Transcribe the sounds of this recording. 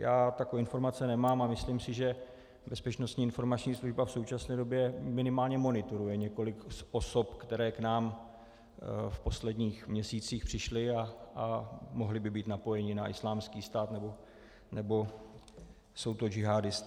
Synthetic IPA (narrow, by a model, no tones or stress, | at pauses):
jaːt̪akoɪnfo̞ɾmat͡sɛnɛmaːmamɪslimsɪʒɛ | bɛspɛt͡ʃnost̪ɲiːɪnfo̞ɾmat͡ʃɲiːsluʒbafso̞wt͡ʃasnɛːdo̞bjɛmɪnɪmaːlɲɛmo̞nɪt̪oɾujɛɲɛko̞lɪkʔo̞so̞pkt̪ɛɾɛːknaːm | fpo̞slɛdɲiːxmɲɛsiːt͡siːxpr̥ɪʃlɪaamo̞ɦlɪbɪbiːt̪napo̞jɛɲɪnaʔɪslaːmskiːst̪aːt̪nɛbo̞ | nɛbo̞ | so̞wt̪o̞d͡ʒɪɦaːdɪst̪